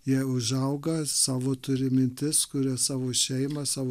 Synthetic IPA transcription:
jiɛʊʒɐʊɡɐsɑːʋoːt̪ʊɾʲɪmʲɪnʲt̪ʲɪskʊɾʲɪsɑːʋoːʃʲɛɪmɐsɑːʋoː

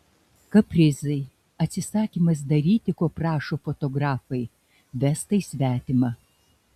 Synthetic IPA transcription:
kɐpʲɾʲɪzɐɪ | ɐt̪ʲsʲɪsɑːkʲiːmɐs̬d̪ɐɾʲiːt̪ʲɪkoːpɾɑːʃoːfot̪ɔɡɾɑːfɐɪ | ʋʲæst̪ɐisʲʋʲæːt̪ʲɪmɑː

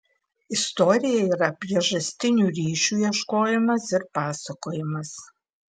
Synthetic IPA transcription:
ɪst̪oɾʲɪjɛiːɾɐpʲɾʲiɛʒɐsʲt̪ʲɪnʲuːɾʲiːʃʲuːiɛʃkoːjɪmɐsɪɾpɑːsɐkoːjɪmɐs

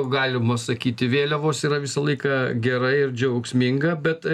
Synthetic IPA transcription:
ʊɡɑːlʲɪmɐsɐkʲiːt̪ʲɪʋʲeːlʲoʋoːsiːɾɐʋʲɪsɐlˠɐɪkɐɡʲɛɾɐɪɪɾd͡ʒʲɛʊksʲmʲɪŋɡɐbʲɛt̪

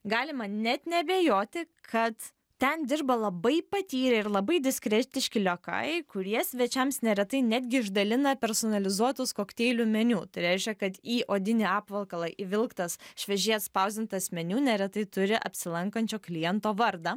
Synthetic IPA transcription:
ɡɑːlʲɪmɐnʲɛt̪nʲɛbʲeːjoːt̪ʲɪ | kʰɐt̪ | t̪ʲɛnd̪ʲɪrbɐlˠɐbɐɪpɐt̪ʲiːɾʲɛɪɾlˠɐbɐɪd̪ʲɪsʲkɾʲɛt̪ʲɪʃʲkʲɪlʲokɐ̰ɪkʊɾʲiɛsʲʋʲɛt͡ʃʲɛmsnʲɛɾʲɛt̪ɐɪnʲæd̪ʲɡʲɪɪʒd̪ɐlʲɪnɐpʲɛɾsoːnɐlʲɪzuɔt̪ʊskoːkt̪ʲeːlʲuːmʲɛnʲuːt̪ɐɪɾʲɛɪʃʲkʲɛkɐt̪iːʔoːd̪ʲɪnʲɪɑːpʋɐlˠkɐlˠɐʔɪʋʲɪlˠkt̪ɐsʃʲʋʲɛʒʲiɛt̪spɐʊzʲd̪ʲɪnt̪ːɐsʲmʲɛnʲuːnʲɛɾʲɛt̪ɐɪt̪ʊɾʲɪʔɐ̰pʲsʲɪlˠɐŋkɐnʲt͡ʃʲoːklʲɪjɛnt̪oːʋɐɾd̪ɐ

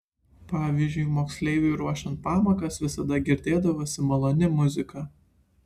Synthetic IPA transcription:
pɑːʋʲizʲd͡ʒʲʊɪmoːksʲlʲɛɪʋʲʊjɾuɔʃʲɛnt̪̚pɑːmɐkɐsʋʲɪsɐd̪ɐɡʲɪɾʲd̪ʲeːd̪ɐʋoːsʲɪmɐlˠoːnʲɪmʊzʲɪkɑ

